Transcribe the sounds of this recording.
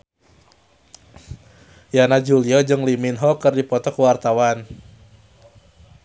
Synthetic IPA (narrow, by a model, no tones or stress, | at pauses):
janad͡ʒuliɔd͡ʒɨŋliminɦɔkərdipɔt̪ɔkəwart̪awan